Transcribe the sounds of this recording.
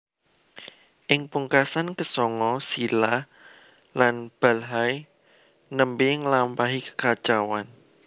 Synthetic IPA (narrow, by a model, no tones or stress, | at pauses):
ʔɪŋpuŋkasankəsɔŋɔsilah | lanb̥a̤lɦaj | nəmbɪŋəlampaɦikə̥kat͡ʃawan